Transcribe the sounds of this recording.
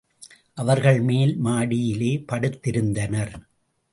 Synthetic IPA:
ʔɐʋɐɾɣɐɭmeːlmaːɽɪjɪleːpɐɽɯt̪ːɪɾɯnd̪ɐnɐɾ

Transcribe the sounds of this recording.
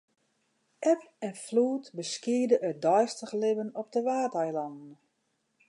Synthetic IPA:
ʔɛp̚ɛnfluːtbəskiədəʔədɔjstəχlɪbənɔp̚dəʋaːtɛjlɔndn̩

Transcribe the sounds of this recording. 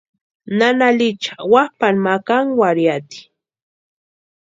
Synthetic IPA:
nanalɪt͡ʃḁwapanmakaŋwaɾjat̪i̥

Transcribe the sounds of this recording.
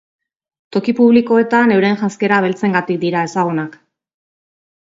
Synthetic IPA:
t̪o̞kipuβliko̞e̞t̪ane̞wɾe̞nʝaske̞ɾaβ̞e̞lt͡se̞ŋɡat̪ik̚d̪iɾae̞saɣ̞unak

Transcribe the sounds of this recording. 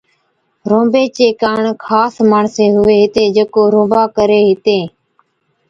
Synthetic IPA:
ɾõːbeːt͡ʃeːkaːɳkʰaːsmaːɳseːɦʊʋeːɦɪt̪eːd͡ʒəːkoːɾõːbaːkəɾeːɦɪt̪eː

